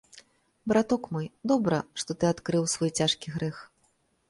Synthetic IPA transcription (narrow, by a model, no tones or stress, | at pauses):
bɾat̪ɔkmɔjd̪ɔbɾɐʂt̪ɔt̪ɨat̪kɾɨwsvɔjt͡sʲaʂkʲiɣɾɛx